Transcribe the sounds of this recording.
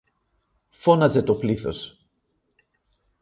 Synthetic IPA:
fo̞nɐze̞t̪o̞pliθo̞̰s

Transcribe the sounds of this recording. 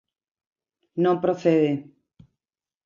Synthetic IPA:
nõmpɾoθeðe

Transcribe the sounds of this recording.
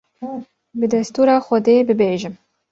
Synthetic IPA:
bɨd̪ɛst̪uːɾɑːxʷɔd̪eːbɨbeːʒɪm

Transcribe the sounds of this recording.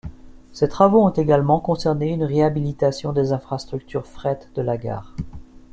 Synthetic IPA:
set̪χavoɔ̃t̪eɡalmɑ̃kɔ̃sɛʁneynʁeabilit̪asjɔ̃d̪ezɛ̃fχast̪χyk̚t̪ʰyʁfχɛt̪d̪əlaɡa̰ːʁ

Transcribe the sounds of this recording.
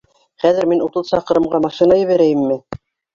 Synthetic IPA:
χæðɘ̆ɾminut̪ɤðsɑqɤ̆ɾɤ̆mɢɑmɑʃinɑjɘ̆βæɾæjɘmːɘ

